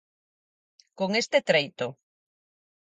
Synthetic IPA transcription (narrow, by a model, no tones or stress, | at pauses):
koŋest̪et̪ɾejt̪o